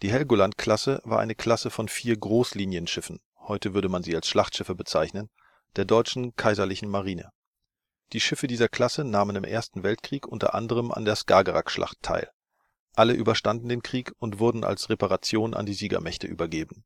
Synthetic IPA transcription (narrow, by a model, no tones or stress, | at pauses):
d̥iːɦɛlɡolantkl̥asəvaːɐʔa̰ɪnəkʰl̥asəfɔnfiːɐɡʁoːsliːnjənʃɪfn̩ | hɔʏtəvʏɐɾəmanziːalsʃlaχtʃɪfəbət͡saɪçnən | d̥eːɐdɔʏt͡ʃn̩kʰaɪzɐlɪçn̩maʁ̞iːnə̰ | d̥iːʃɪfədiːzɐkʰl̥asənaːmənɪmʔḛːɐstn̩vɛltkʁ̥iːkʔʊntɐ̰ʔa̰ndəʁ̞əmʔa̰ndeːɐska̰ːɡəʁa̰kʃlʔa̰χtʰːa̰ɪl | ʔaləʔyːbɐʃtandn̩deːnkʁ̥iːkʊntv̥ʊɐdn̩ʔa̰lsʁepaʁat͡sjoːnʔa̰ndiːziːɡɐ̰mɛçtə̰ʔy̰ːbɐɡeːbn̩